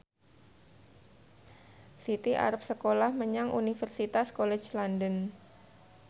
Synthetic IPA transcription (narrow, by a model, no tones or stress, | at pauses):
sit̪iʔa̰ɾəp̚səkolahməɲaŋʔṵnifərsit̪askolɛ̥t͡ʃlandən